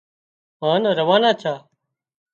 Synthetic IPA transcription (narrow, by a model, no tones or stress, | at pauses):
maːnɾəʋaːnaːt͡ʃʰaː